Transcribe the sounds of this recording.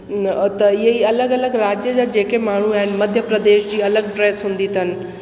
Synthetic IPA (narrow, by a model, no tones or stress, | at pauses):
t̪ɐɪɦiɐləɡɐləɡɾaːd͡ʑjəd͡ʑaːd͡ʑeːkemaːɳ̤uaːɦɪnɪmɐd̪ʱjəpɾɐd̪eːʃd͡ʑiːɐləɡ̚pɾeːsɦũːnd̪it̪ʰənɪ̆